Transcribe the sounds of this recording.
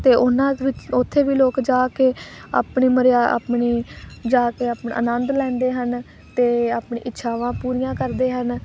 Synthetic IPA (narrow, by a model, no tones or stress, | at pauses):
t̪eːʔʊnãːʋɪt͡ʃʊt̪ʰːeːʋiːloːkd͡ʒaːkeːa̰ːpɳiːməɾja̰ːpɳeːd͡ʒaːkeːaːpn̰ːə̰nənd̪lɛ̃ːnd̪eːɦən | t̪eːaːpɳḛːʔɪtːʃʰaːʋãːpuːɾijãːkəɾd̪eːɦən